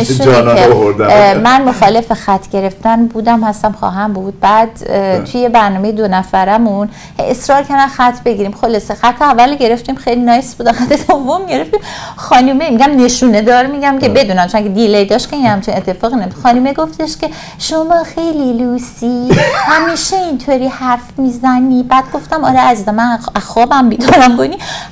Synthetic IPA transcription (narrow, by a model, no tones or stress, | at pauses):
eʃuieoɾd̪amænmoxɒːle̞fexæt̪ʰːɟe̞ɾe̞ft̪ænbuːd̪æmhæst̪æmxɒ̰ːɦæmbuːd̪̥̚bæːd̪t̪ʰujebæɾnɒːmejed̪onæfæɾæmun | hḛjesɾɒːɾcʰæɾd̪æmxæt̪ʰːbeɟiɾiːmxolɒːse̞xæt̪ʰːeævːælɟe̞ɾe̞ft̪imxejlinɒːjsbud̪æmxæt̪ʰːed̪ovːo̞mɟe̞ɾe̞ft̪iːmxɒːnumemiɟæmneʃuːned̪ɒːɾmiɟæmcʰebe̞d̪uːnæmt͡ʃoncʰʲed̪ilejd̪ɒːʃtcʰeinhæmt͡ʃʰinet̪ʰːe̞fɒːɣinemud̪xɒːnumeɡo̞ft̪e̞ʃcʰe̞ | ʃomɒːxe̞jliluːsihæmiːʃeint̪ʰoɾiːhæɾfmiːzænibæːd̪ɡo̞ft̪æmɒ̰ɾeæzizæmæxɒːbæmbid̪unæmkoni